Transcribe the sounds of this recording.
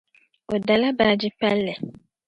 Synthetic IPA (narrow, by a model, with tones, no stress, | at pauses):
o˨da˨la˦baː˨d͡ʒɪ˦pa˦lːɛ˨